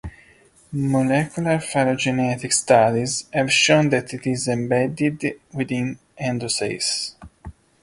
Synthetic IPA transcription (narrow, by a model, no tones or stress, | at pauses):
mɔlɛkjulaɾfaɾod͡ʒɛnɛt̪ikst̪ad̪izɛvʃõnd̪ɛt̪it̪izɛ̃mbɛd̪id̪wid̪ĩn | ɛ̃nd̪usḛjs